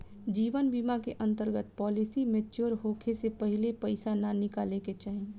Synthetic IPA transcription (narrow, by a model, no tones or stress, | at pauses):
d͡ʒiːʋənbiːmakeʔə̃nt̪əɾɡət̪pɔːlɪsimẽt͡ʃoɾɦoːkʰesepəɦɪlepɐɪsananɪkaːleket͡ʃaɦɛ̃